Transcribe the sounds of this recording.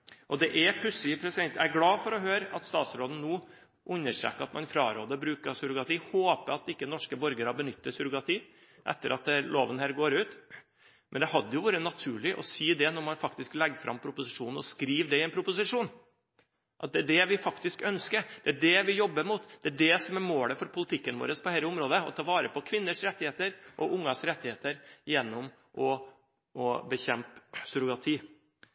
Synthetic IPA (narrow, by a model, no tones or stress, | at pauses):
ʔɔd̪ɛʔæpʰɾʉsiːpʰɾɛsɪd̪ɛnt̪ææɾɡlɑːfɔɾɔɦøːɾɑt̪st̪ɑːt̪sɾoːd̪n̩nuː | ʔʉnːəʂæ̰ːkːəɑt̪mɑnfɾɑ̰ːɾoːd̪əbɾʉːkəsʉɾʊɡɑt̪iːhoːpəɑt̪ɪkːənɔʂkəbɔɾɡəɾɑbənʏt̪ːəsʉɾʊɡɑt̪ʰiː | ʔɛ̰t̪ːəɾʔɑt̪̚ɛloːʋənhæːɾɡoːɾʉːt̪ | mʔɛnd̪ɛhɑd̪ːəjʊʋuːɾənɑt̪ʰʉːɭɪʔɔ̰siːd̪ɛnɔɾmɑnfɑkt̪ɪsklɛɡfɾʔɑ̰mːpʰɾʊpʊsɪʂuːnn̩ɔskɾiːʋd̪ɛɪɛnpʰɾʊpʊsɪʂuːn | ʔɑt̪̚d̪ɛæɖɛʋɪfɑkt̪ɪskœnskəɾd̪̥ɛæɖɛʋɪjɔbːəɾmuːt̪d̪̥ɛæɖɛsɔmæɾmoːləfɔɾpʰʊlɪt̪ʰɪkːənʋo̰ːɾəspʰɔhɛɪləʊmɾoːd̪əɔ̰t̪ʰɑːʋɑːɾəpɔkʰʋɪnːəʂɾɛt̪ːɪheːt̪əɾʔɔʊŋːɑsɾɛt̪ːɪheːt̪əɾjɛnːɔm | ʔɔ | ʔɔbəçɛmpsʉɾʊɡɑt̪ʰiː